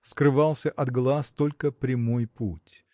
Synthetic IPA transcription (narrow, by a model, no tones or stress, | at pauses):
skɾɨvɑlˠsʲəʔɐd̪ɡlˠast̪o̞lʲkəpɾʲɪmojputʲ